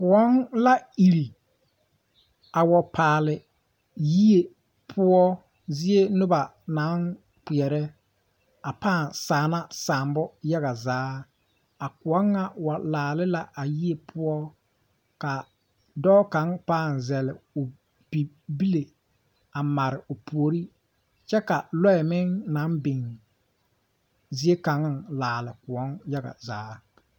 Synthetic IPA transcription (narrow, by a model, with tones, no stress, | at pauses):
kʊ˨ɔ˦nla˦i˨ɾi˨ | a˨wɔ˨paː˨lɪ˨ | ji˦e˨ | pʰʊ˦ɔ˦ | zɪ˦e˦nʊ˦ba˨ | na˨˦n | k͡pɪ˨ɛ˨ɾɛ˦ | a˨paː˦˨nsaː˨na˦saː˨mbɔ˦ja˦ɣa˨zaː˨˦ | a˨kʊ˨ɔ˦ŋːa˦wa˨laː˨lɪ˦la˨ʔa˨ji˦e˨pʰʊ˦ɔ˦ | ka˨ | dɔː˦ka˦ŋpaː˦˨nzɛ˨lɪ˨ʊ˨ | bi˨ | bi˦le˨ | a˨ma˨ɾɪ˨ʊ˨pu˨o˨ɾi˦ | t͡ʃɛ˦ka˨lɔ˦ɛ˨mɪ˦ŋna˨˦nbɪ˨ŋ | zi˦e˦ka˨˦ŋ˦ŋlaː˨lɪ˨kʊ˨ɔ˦nja˦ɡa̰˨zaː˨˦